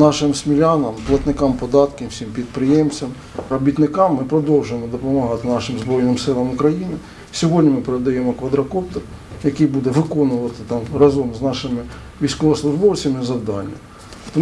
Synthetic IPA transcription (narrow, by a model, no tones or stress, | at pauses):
nɑʃɪmsmʲilʲɑnɐmplˠɐt̪nɪkɑmpɔd̪ɑt̪kɪsʲimpʲid̪pɾɪjemt͡sʲɐm | ɾɔbʲit̪nɪkɑmːɪpɾɔd̪ɔwʒʊjemɔd̪ɔpɔmɐɦɑt̪ɪnɑʃɪmzbɾɔjnɪmsɪlˠɐmʊkɾɐjinɪ | sʲɔɦɔdʲnʲimɪpeɾed̪ɐjemɔkʋɐd̪ɾɐkɔpt̪ɔrjɐkɨjbud̪ɛʋɪkɔnʊʋɐt̪ɪt̪ɑmrɑzɔmznɑʃɪmɪ | ʋʲijsʲkɔʋɔslˠʊʒbɔwt͡sʲɐmɪzɐwd̪ɑnʲːɐ̰ | t̪ɔ